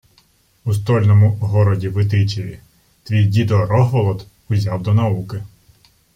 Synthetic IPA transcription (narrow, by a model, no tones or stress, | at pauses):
ust̪ɔlʲnɔmʊɦɔɾɔdʲiʋɪt̪ɪt͡ʃiji | t̪ʋʲijdʲid̪ɔɾɔɦʋɔlˠɔt̪ | ʊzʲɑwd̪ɔnɐukɪ